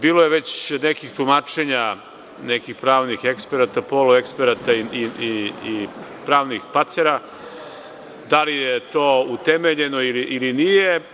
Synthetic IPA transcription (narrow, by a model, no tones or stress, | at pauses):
biːlojeʋe̞t͡ɕnekixt̪umaːt͡ʃe̞ɲa | nekixpɾaːʋnixe̞kspeɾat̪apoloekspeɾat̪aiiiipɾaːʋnixpat̪se̞ɾa | d̪alijet̪o̞ːut̪e̞meʎe̞no̞iliʔilinije